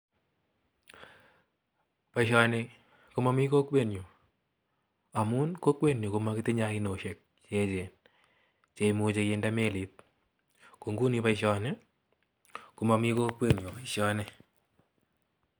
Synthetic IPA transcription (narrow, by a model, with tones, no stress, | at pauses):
pa˨iʃɔ˨ne | ku˦ma˦mi˦ko˦kwe˦˨njo˨ | a˨mu˦nko˦kwe˦njo˨ku˨ma˦kɪ˦ti˦ɲa˦ki˦no˨ʃe˨k̚t͡ʃe˦t͡ʃe˨n | t͡ʃe˨mu˨t͡ʃe˧kendame˦lit̚ | ko˨ŋɡu˦nipa˦iʃɔ˦ne | ku˨ma˨mi˦ko˦kwe˦njo˨a˨iʃɔ˦nɛ˦